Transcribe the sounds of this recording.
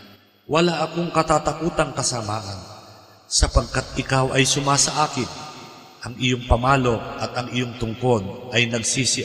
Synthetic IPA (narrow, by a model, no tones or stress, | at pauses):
wʔɐlaʔɐko̞ŋkɐt̪aːt̪ɐkuːt̪ɐŋkɐsamaːʔɐn | sɐpɐɡ̚kat̪̚ʔɪkawʔɐjsʊmasɐʔaːkɪn | ʔɐŋʔɪjo̞ŋpɐmaːlo̞ʔɐt̪ɐŋʔɪjoŋt̪ʊŋko̞nʔɐjnɐɡsiːsɪ